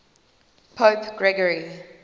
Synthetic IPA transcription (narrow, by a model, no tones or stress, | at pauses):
pʰopɡ̥ɹɛɡəɹi